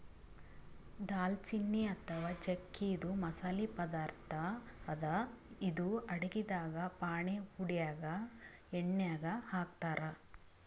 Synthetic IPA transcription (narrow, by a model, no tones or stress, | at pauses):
d̪aːlt͡ʃinːiɐt̪ʰɐʋaːt͡ʃekːiːd̪umɐsaːlipɐd̪aːɾt̪ʰɐːd̪ɐid̪uɐɽeɡid̪aːɡɐpaːɳehuɽijaːɡɐ | eɳːjaːɡɐhaːk̚t̪aːɾɐ